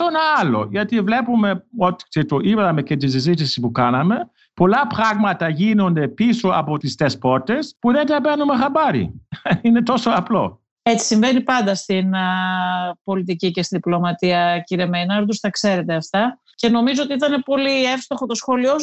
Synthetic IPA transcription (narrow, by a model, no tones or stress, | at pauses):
onɐlo̞̰ʝɐt̪ivle̞pume̞o̞t̪i̥set̪oʔiβðɐme̞cet̪̬is̬izit̪isipukɐnɐme̞ | po̞lɐpɾɐɣmɐt̪ɐʝino̞nd̪e̞piso̞ɐpo̞t̪ist̪espo̞ɾt̪e̞spuðent̪ɐpenumexɐbɐɾḭine̞t̪o̞so̞ɐplo̞̰ | e̞t͡si̥siɱve̞nipɐnd̪ɐst̪in | po̞lit̪icice̞st̪inðiplo̞mɐt̪iɐciɾemejnɐɾd̪ust̪ɐkse̞ɾe̞t̪e̞ɐft̪ɐ | ce̞no̞mizoot̪iit̪ɐne̞po̞lie̞fst̪o̞xot̪o̞sxo̞lio